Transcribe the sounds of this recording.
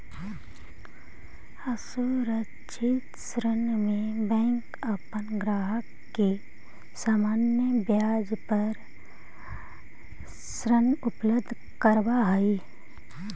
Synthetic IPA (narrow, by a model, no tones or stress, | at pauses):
əsuɾə | ʃʰit̪sɾənmẽbɛ̃ːŋk | əpənɡɾaːɦəkːe | saːmaːnjəbjaːd͡ʒpəɾ | sɾənʊpləbd̪ʱ | kəɾbaɦai